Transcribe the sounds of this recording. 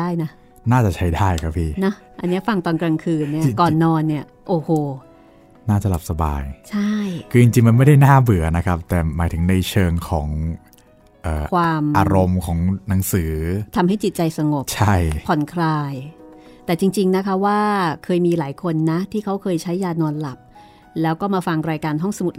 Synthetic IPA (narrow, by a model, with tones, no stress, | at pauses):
aː˥˩jna˦˥ | naː˥˩t͡ɕa˨˩t͡ɕʰa˦˥jdaː˥˩jkʰa˦˥pʰiː˥˩na˦˥ | ʔa˧nːi˦˥ɐfa˧ŋt̪ɔː˧nkɾa˧ŋkʰɯː˧nːi˥˩ɐkɔː˨˩nːɔː˧nːi˥˩ɐ | ʔoː˧˩hoː˧˩ | naː˥˩t͡ɕa˨˩la˨˩p̚sa˧ba̰ː˧jt͡ɕʰa˥˩jkʰɯː˧t͡ɕi˧ŋt͡ɕi˧ŋma˧nma˥˩jda˥˩jnaː˥˩bɯ˩˦ɐna˦˥kʰa˦˥p̚t̪ɛː˨˩maː˨˩˦jt̪ʰɯ˩˦ŋna˧jt͡ɕʰɤː˧ŋkʰɔː˩˦ŋ | ʔɤː˨˩ʔkʰwaː˧mʔa̰ː˧ɾo˧mkʰɔː˩˦ŋna˩˦ŋsɯː˩˦t̪ʰa˧mɦa˥˩jt͡ɕi˨˩t̪̚t͡ɕa˧jsa˧ŋo˨˩pt͡ɕʰa˥˩jpʰɔ˨˩˦nkʰɾaː˧jt̪ɛː˨˩t͡ɕi˧ŋt͡ɕi˧ŋna˦˥kʰa˦˥waː˥˩kʰɤː˧jmiː˧laː˩˦jkʰo˧nːa˦˥t̪ʰiː˥˩kʰa˦˥wkʰɤː˧jt͡ɕʰa˦˥jːaː˧nɔː˧nla˨˩p̚ | lɛː˦˥wkɔː˥˩maː˧fa˧ŋɾaː˧jkaː˧nɦɔ˥˩ŋsa˧mu˨˩t̪̚